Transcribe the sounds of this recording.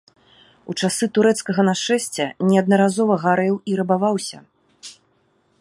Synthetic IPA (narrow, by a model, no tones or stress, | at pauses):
ut͡ʂasɨt̪uɾɛt̪skɐɣɐnaʂɛsʲt͡sʲɛnʲɛɐd̪̚nɐɾazɔvɐɣaɾɛwiɾɐbavawsʲɐ̰